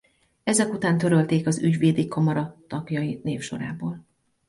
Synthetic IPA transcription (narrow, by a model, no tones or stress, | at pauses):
ɛzɛkut̪aːnt̪øɾølt̪eːkɒzyɟʋeːd̪ikʰɒmɒɾɒt̪ɒɡjɒjineːfʃo̞̰ɾaːboːl